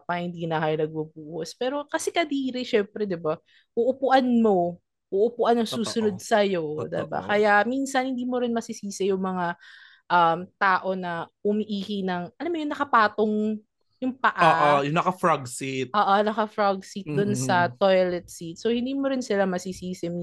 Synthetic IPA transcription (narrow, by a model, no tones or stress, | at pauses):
pɐŋhɪnd̪iːnɐkɐjanɐɡ̚bubuːhospɛːɾo̞kɐsɛkɐd̪iːɾɪʃɛmpɾɛd̪ɪba | ʔuʔʊpʊʔanmo̞ | ʔuʔʊpʊʔanjʊŋsuːsʊnod̪̚sɐjo̞d̪ɪ̰ba̰kɐjaminsɐnhɪnd̪iːmoɾɪnmɐsisiːsɛjʊŋmɐŋa | ʔɐmt̪aːʔo̞nɐʔʊmiʔiːhinɐŋʔɐlamːojʊŋnɐkɐpaːt̪oŋ | jʊŋpɐʔaːʔjʊŋnɐkɐfɹaɡsit̪̚ʔoːʔonɐkɐfɾaɡsit̪̚d̪ʊnsɐt̪ojlɛt̪̚sit̪sohɪ̃nd̪iːmoɾɪnsɪlamɐsisiːsɪm